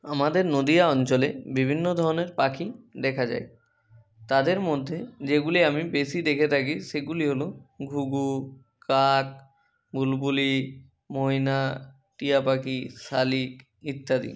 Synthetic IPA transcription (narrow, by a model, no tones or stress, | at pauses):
amad̪eɾnod̪iaɔnt͡ɕolebibʱinːod̪ʱɔɾoneɾpakid̪ɛkʰad͡ʑa̰e | t̪ad̪eɾmod̪ʱːed͡ʑeɡuliamibesid̪ekʰet̪ʰak̬iʃeɡuliɦoloɡʱuɡu | kak̚ | bʱulbuli | moɦina | ʈijapakisalik | it̪ːad̪ḭ